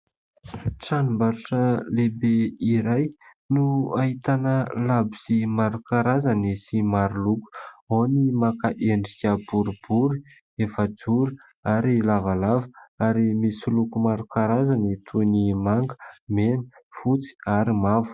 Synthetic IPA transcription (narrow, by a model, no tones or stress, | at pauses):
ʈ͡ʂanumbaɾuʈ͡ʂəlebeiɾaj | nuaɦit̪anəlabiz̥imaɾukaɾazanisimaɾuluku̥ownimakaʔeɳɖ͡ʐikʲəb̥uɾub̥uɾi | efəd͡zuɾi | aɾilavalavəaɾimisilukumaɾukaɾazanit̪ʰunimaŋɡəmenəfut͡si̥aɾimavu̥